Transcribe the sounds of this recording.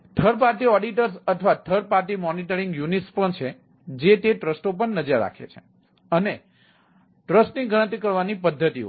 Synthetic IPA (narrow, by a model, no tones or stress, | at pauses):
ʈʰəɾp̬aɾʈiɔɖiʈəɾsət̪ʰʋaʈʰəɾpaɾʈimɔniʈəɾiŋɡjuniʈspəɳt͡ʃʰe | d͡ʒet̪eʈɾəsʈopəɳnːəd͡ʒəɾːa̰kʰḛt͡ʃʰe̥ | əne | ʈɾəsʈniɡəɽə̃nt̪ikəɾʋanipəd̪ʱːət̪iɦo̰